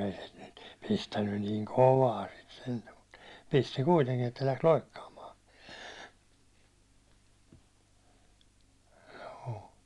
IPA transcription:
ei se nyt pistænːyn niːŋ koʋɑː sit sentæ mut pisti kuiteŋkin etːæ læks loikːɑːmɑː joː

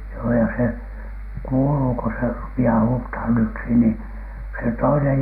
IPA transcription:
joː jɑ se kuːluː ko se rupiɑː huːthɑn yksi niˑ se toinej

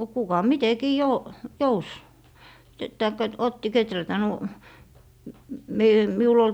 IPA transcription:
no kukɑ mitekiː jo jous tɑikːɑ t otːi ketrætæ nu m me miul ol

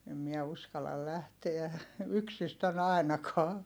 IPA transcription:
em miɛ uskɑlˑɑl læhteæ yksistæn ɑˑi̯nɑkɑː

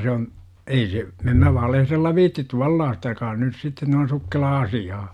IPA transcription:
se on ei se em mæ ʋɑlehrelːɑ ʋiːtːit tuɑlːɑːstɑ jokɑ on nys sitːe noin̞ sukːelɑː ɑsiɑː

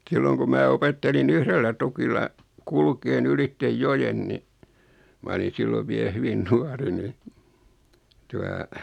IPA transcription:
silːoŋ ku mæː opetːelin yhrelːæ tukilːɑ kulkeːn ylitːe jojen ni mɑ oli silːoʋ ʋie hyʋin nuɑri ni tuɑ

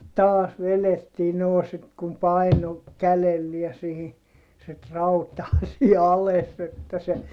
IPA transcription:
tɑːs ʋeletːiː noː sit kum pɑino kælelːiæ sihi sit rɑutɑː siː ɑles etːæ se

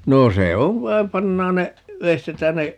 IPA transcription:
noː se oʋ ʋɑim pɑnːɑːn ne ʋeistetæːn ne

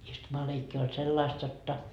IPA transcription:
istumɑleikːi olʲ selːɑist jotːɑ

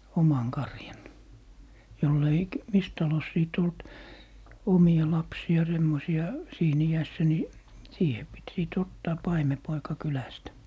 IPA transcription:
omɑŋ kɑrjɑn jolː ei k mis tɑlos siˑt olt omiɑ lɑpsiɑ semːosiɑ siːn iæsːæ ni siːhe pit siˑt otːɑː pɑimepoikɑ kylæstæ

